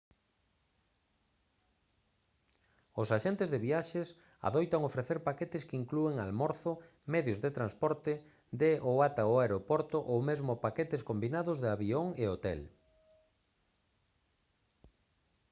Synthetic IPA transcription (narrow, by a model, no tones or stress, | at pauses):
ʊsaʃent̪ɪzðɪβiaʃɪs | a̰ðojt̪aŋofɾeθeɾpaket̪ɪskiŋklueŋalmɔɾθʊ | mɛðjʊzðɪt̪ɾanspɔɾt̪ɪ | d̪eʔowat̪aoaeɾopɔɾt̪ʊʔowmezmʊpaket̪ɪskombinaðʊzðɪaβioŋeot̪ɛ̰l